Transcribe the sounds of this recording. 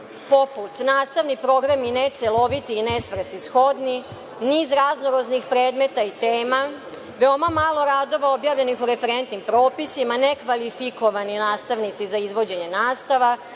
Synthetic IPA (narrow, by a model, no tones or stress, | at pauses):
po̞put̪naːst̪aʋnipɾo̞ɡɾaminet̪selo̞ʋit̪iːnesʋr̩sisxo̞d̪ni | niːzɾaznoɾoznixpɾeːd̪me̞t̪ait̪eːma | ʋeo̞mamaːlˠo̞ɾaːd̪o̞ʋaobjaːʋʎe̞nixuɾe̞feɾe̞nt̪nimpɾo̞ːpisimane̞kʋalifiko̞ʋaninaːst̪aʋnit̪sizaizʋo̞d͡ʑe̞ɲe̞naːst̪aʋa